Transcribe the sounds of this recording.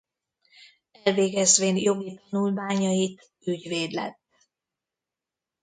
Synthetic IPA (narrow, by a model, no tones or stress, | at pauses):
ɛlveːɡɛzveːnjo̞ɡit̪ɒnulmaːɲɒjit̪ | yɟveːd̪lɛ̰t̪ː